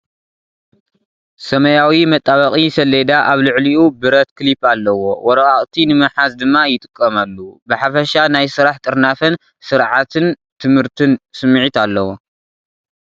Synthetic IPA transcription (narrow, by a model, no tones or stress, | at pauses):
sɐmɐjawimɐt̪ʼːaβɐχʼisɐled̪aʔaβlɨʕliʔubɨɾɐt̪kʰɨlipalːɐwowɔɾɐkʼaχʼt̪ʰinɨmɨħazd̪ɨmːajɪt̪ʼɨ̥kʼːɐmalːubɨħafɐʃanajsɨɾaħt̪ʼɨɾnafɐn | sɨɾʕat̪ʰɨn | t̪ʰɨmhɨɾt̪ʰɨnsɨmːʕit̪alːɐwo